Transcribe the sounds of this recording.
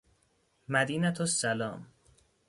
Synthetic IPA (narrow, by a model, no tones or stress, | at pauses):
mæd̪iːnæt̪ʰosːælɒːm